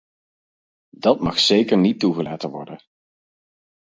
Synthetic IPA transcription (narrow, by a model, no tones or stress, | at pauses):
dɑt̚mɑχsejkəɹnituχəla̰ːtənʋɔ̰ɹdən